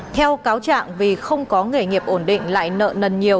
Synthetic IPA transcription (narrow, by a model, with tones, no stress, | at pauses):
t̪ʰɛ˧wkaː˨˦wt͡ɕa̰ː˧˨ŋvi˨˩xə˧wŋ͡mkɔ˨˦ŋɨ˨˩ŋi˨˩əp̚ʔo˧˩nɗḭ̈˧˨ŋ̟la̰ː˧˨jnə̰ː˧˨nə˨˩nɲi˨˩ə